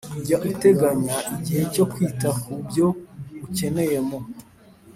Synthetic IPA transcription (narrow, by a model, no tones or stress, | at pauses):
uɟaʔute̞ɡaɲaiɟihe̞co̞kwiːtakubjo̞uce̞ne̞je̞mo̞